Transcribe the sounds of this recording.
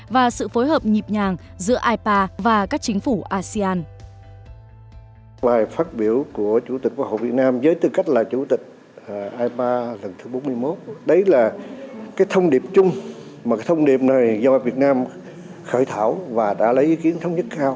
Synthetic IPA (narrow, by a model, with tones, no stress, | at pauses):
vaː˨˩sɨ̰˧˨fo˨˦jɦəː˨˩p̚ɲi˨˩p̚ɲaː˨˩ŋ | zɨ̰˧˥əʔaː˧jpaː˧vaː˨˩kaː˦˥k̚t͡ɕï˨˦ŋ̟fu˧˩ʔaː˧si˧aː˧n | ɓaː˨˩jfaː˦˥t̚ɓi˧˩əwku˧˩ət͡ɕu˧˩t̪i˨˩k̟̚kwho̰˧˨vi˨˩ət̚naː˧mzəː˨˦jt̪ɨ˨˩ka˦˥jk̟̚laː˨˩t͡ɕu˧˩t̪ï˨˩k̟̚ | ʔaː˧jpaː˧lə˨˩nt̪ʰɨ˨˦ɓo˨˦mɨ˧əjmo˦˥t̚ɗə˨˦jlaː˨˩kaː˨˦jt̪ʰə˧wŋ͡mɗi˨˩əp̚t͡ɕʊ˧ŋ͡m | maː˨˩kaː˨˦jt̪ʰə˧ŋ͡mɗi˨˩əp̚na˨˩jzɔ˧˨vi˨˩ət̚naː˧m | xəː˧˩jt̪ʰaː˧˩wvaː˨˩ɗa̰ː˧˥lə˨˦jʔi˨˦ki˨˦ənt̪ʰə˨˦wŋ͡mɲə˦˥t̚kaː˧w